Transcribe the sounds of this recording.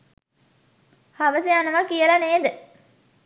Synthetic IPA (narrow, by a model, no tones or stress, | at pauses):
haʋəsejanɐʋɐkijəlɐneːd̪ə